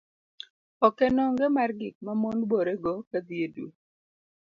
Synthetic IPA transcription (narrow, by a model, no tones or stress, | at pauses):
ɔkɛnɔŋɡɛmarɡɪk̚mamonboɾeɡɔkad̪ieduo